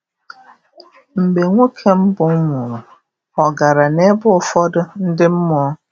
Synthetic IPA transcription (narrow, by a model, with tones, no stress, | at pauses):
m̩˨ɡ͡be˨ŋʷo˦kʰe˦m̩˦bʊ˨˦ŋʊ˨ɾʊ˨ | ɔ˨ɡa˨ɾa˨ne˦bʊ˦ʊ˦fɔ˦dʊ˦n̩˦dɪ˦m̩˦mɔ˦ɔ˦